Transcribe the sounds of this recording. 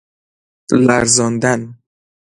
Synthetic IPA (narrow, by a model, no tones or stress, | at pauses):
læɾzɒnd̪æn